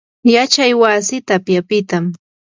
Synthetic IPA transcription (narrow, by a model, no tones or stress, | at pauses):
jat͡ʃajwasɪt̪apjapɪt̪am